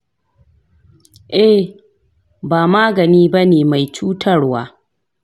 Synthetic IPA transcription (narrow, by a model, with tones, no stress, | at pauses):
ʔɛ˦ | baː˨maː˦ɡɐ˨niː˦bɐ˦neː˨ma˨jt͡ʃuː˦tʰɐ˦rwaː˦